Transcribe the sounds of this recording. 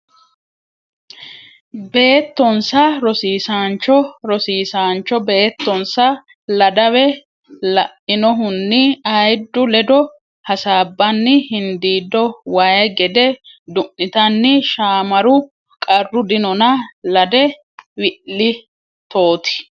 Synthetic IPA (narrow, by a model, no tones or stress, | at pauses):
be̞ːt̪ːɔnsɐɾɔsiːsaːnt͡ʃːɔɾɔsiːsaːnt͡ʃːɔbe̞ːt̪ːɔnsɐ | lɐd̪ɐwɛ | lɐʔːɪnɔɦʊnːɪɐjd̪ːʊlɛd̪ɔ | hɐsaːbːɐnːɪhɪnd̪iːd̪ːɔwaːjɐɡɛd̪ɛd̪ʊʔːɪt̪ɐnːɪʃaːmɐɾʊ | kʼɐrːʊd̪ɪnɔnɐlɐd̪ɛ | wɪʔːɪ | t̪oːt̪ɪ̥